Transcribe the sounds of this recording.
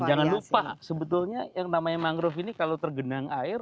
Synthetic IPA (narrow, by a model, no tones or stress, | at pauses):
d͡ʒaŋanluppasəbət̪ʊlɲajaŋnamaɲamaŋɡɾʊfinikalowt̪ərɡənaŋaɪr